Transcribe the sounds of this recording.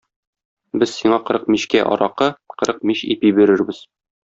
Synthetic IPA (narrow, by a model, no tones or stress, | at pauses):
bɘzsiɴɑqɤ̆ɾɤq̚miɕkæʔɒ̰ɾɑqɤqɤ̆ɾɤq̚miɕḭpibiɾɘ̆ɾbɘz̥